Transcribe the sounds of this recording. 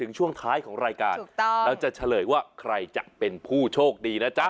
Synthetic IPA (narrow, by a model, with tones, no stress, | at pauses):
t̪ʰɯ˩˦ŋt͡ɕʰu˥˩əŋt̪ʰaː˦˥jkʰɔː˩˦ŋɾaː˧jkaː˧˨˩ɾɛː˦˥wt͡ɕa˨˩t͡ɕʰa˧lɤː˧jwaː˥˩kʰɾa˧jt͡ɕa˨˩pe˧npʰuː˥˩t͡ɕʰoː˥˩k̚diː˧na˦˥t͡ɕa˦˥ʔ